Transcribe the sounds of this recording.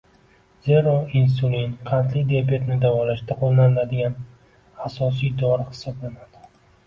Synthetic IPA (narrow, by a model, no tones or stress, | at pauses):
z̥e̞ɾɒins̬ulinqʰɑnt̪lɪd̪eabet̪nɪd̪avɒlaʃd̪aqʰolˠnanlad̪ɪɡʲan | asɒs̬ijd̪ɒɾɪhɪ̥sɒblanad̪̥ɪ̥